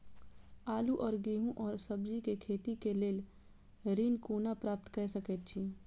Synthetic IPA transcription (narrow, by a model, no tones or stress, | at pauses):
aːluʔɔːɾɡiːɦũʔɔːɾsəbd͡ʒikekʰeːt̪ikeleːl | ɾinkuːnapɾaːp̚t̪kəɾsəkət̪̚t͡ʃʰiː